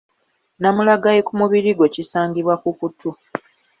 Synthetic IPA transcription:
namulaɡajekumuβiɾiɡwe̞cisaːɲɡiβwakukutʰːu

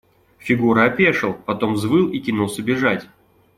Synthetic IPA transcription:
fʲɪɡuɾəɐpʲeʂɨlˠpɐt̪o̞mzvɨlˠikʲinulˠsʲəbʲɪʐatʲ

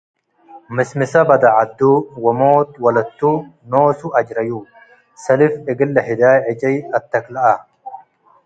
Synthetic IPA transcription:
mɪsmɪsɐbɐd̪ɐʕɐd̪ːuːwɐmoːt̪wɐlɐt̪ːuːnoːsʊʔɐd͡ʒɾɐjuː | sɐlɪfɪɡɪlːɐhɪd̪aːʕɪd͡ʒɐjɐt̪ːɐklɐʔɐ

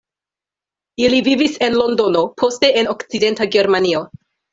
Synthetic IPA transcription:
ilivivise̞nlo̞ndo̞no̞pʰo̞ste̞ʔeno̞kt͡side̞ntaɡe̞ɾmanio̞

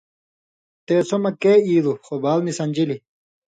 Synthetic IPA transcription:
t̪eːsomɐkeːiːd̪uxobaːlnisɐnʲd͡ʑili

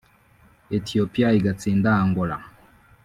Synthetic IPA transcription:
etiopiaiɡat͡sindaːŋɡola

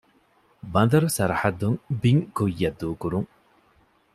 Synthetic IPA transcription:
bɐnd̪ɐɾusɐɾɐħɐd̪uŋbiŋkujːɐd̪ːuːkuɾuŋ

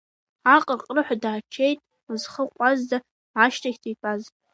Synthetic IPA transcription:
aqʼərqʼrɨħʷadaːt͡ʃʰejtʼ | ɨzχəqʷʼazda | aʃtʰaɡʲtʰijpʼaz

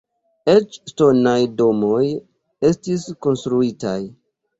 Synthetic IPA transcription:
e̞t͡ʃsto̞najdo̞mo̞j | e̞stisko̞nstɾuita̰j

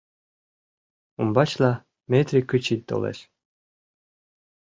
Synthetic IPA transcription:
umbɑt͡ɕla | met̪rʲikɨt͡ɕit̪̚d̪o̰lˠḛʃʲ

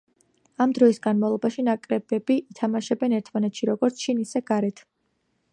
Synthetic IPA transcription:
amd̪ɾɔisɡanmavlˠɔbaʃinakʼɾɛbɛbiːt̪ʰamaʃɛbɛnɛɾt̪ʰmanɛt̪ʰʃiɾɔɡɔɾt̪sʰʃʰinisɛɡ̥aɾɛt̪ʰ

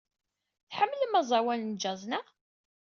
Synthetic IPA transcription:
θħəmːləmæzˤɑwælnd͡ʒɑzˤna

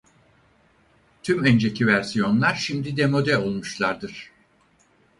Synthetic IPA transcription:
t̪ʰymønd͡ʒecʰivæɾsijo̞nlˠaɾʃimd̪id̪ɛmo̞d̪ɛo̞lˠmuʃlˠaɾd̪ɯɾ̥

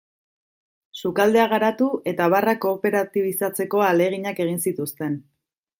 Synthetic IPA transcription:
sukald̪e̞aɣ̞aɾat̪ue̞t̪aβarako̞ːpe̞ɾat̪iβ̞isat͡se̞ko̞ale̞ɣ̞iɲake̞ɣ̞insit̪ust̪e̞n

